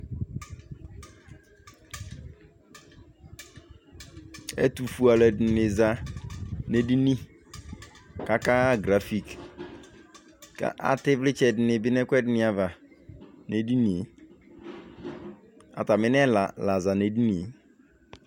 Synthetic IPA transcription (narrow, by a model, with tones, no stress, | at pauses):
ḛ˦tu˨fu˨a˨lɛ˨dnɪ˨za˨ | ne˨di˦ni˦ | ka˦ka˦ɡɾa˨fi˦k | ka̰˦ʔa̰˦tɪ˦vlɪ˦t͡ʃɛ˨dɪ˨nɪ˨bɪ˦nɛ˦kʷɛ˦dɪ˨nɪ˨a˨va˨ | ne˨di˦ni˨˦ | a̰˨ta˨mɪ˦nɛ˦la˨la˨za˨ne˨˦di˦nḭ˨˦